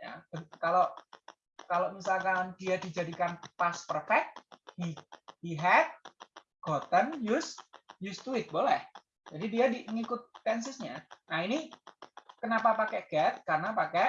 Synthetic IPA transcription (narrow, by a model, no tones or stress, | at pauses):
ja̰bəkaloʔ | kaloʔmisalkand̥iadid͡ʒadikanpaspərfɛk̚t̪̚hiiɦɛt̪̚ | ɡ̥ot̪ənjʊsjʊst̪uɪt̪̚bolɛh | d͡ʒadidiadiŋikʊt̪̚pɛnsɪsɲanaini | kənapapakɛʔɡ̥ɛt̪̚karnapakɛ